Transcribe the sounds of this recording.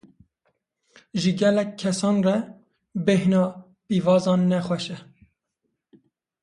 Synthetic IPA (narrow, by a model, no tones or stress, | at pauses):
ʒɨɡɛlɛkʲʰːɛsɑːnrɛ | behnɑː | piːvɑːzɑːnːɛxwɛʃɛ